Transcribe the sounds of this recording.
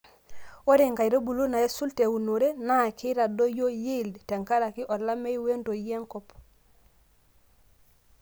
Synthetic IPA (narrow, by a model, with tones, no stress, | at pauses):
o˦ɾe˨ŋɡa˨i˨ɾo˦bu˨lo˦na˨e˦su˦lte˨u˨no˨ɾe˦na˦˨kɪ˦ɾa˨do˦jo˦ji˦˨ldtɛ˨ŋka˦ɾa˨ki˦ʔɔ˨la˦me˦i˦we˦ndo˨i˦ɛ˦ŋkɔ˦p